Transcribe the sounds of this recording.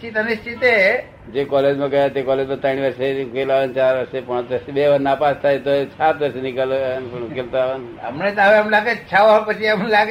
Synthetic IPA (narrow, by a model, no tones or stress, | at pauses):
t͡ʃit̪ənist̪ʰit̪e | d͡ʒekɔled͡ʒmãɡəjat̪ekɔled͡ʒmãt̪əɽiʋəɾseukelaʋənt͡ʃaɾʋəɾsepãt͡ʃəɾsebeʋəɾnapast̪ʰajt̪oesat̪ʋəɾsenikəlnpəɳukelt̪oaʋanə̰mɳet̪aʋeəmlaɡet͡ʃʰaʋapət͡ʃʰiəmlaɡ